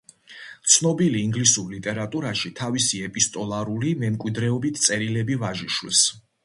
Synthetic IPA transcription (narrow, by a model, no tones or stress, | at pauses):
t̪sʰnɔbiliːŋɡlisuɾlit̪ʼɛɾat̪ʼuɾaʃit̪ʰavisiɛpʼist̪ʼɔlˠaɾulimɛmkʼwid̪ɾɛɔbit̪ʰt̪sʼɛɾilɛbivaʒiʃwɛs